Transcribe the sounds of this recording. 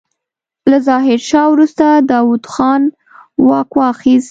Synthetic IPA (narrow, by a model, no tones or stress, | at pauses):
lazɑɦɪɾʃɑwɾust̪ad̪ɑwud̪xɑn | wɑkwɑxist̪